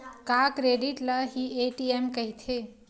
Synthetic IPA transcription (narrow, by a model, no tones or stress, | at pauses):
kakɾeɖiʈləɦieʈiemkəɦit̪ʰe